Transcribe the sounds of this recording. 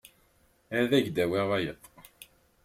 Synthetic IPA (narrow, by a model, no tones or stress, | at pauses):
æðæʝd̪æweʁæjə̰t̪ˤː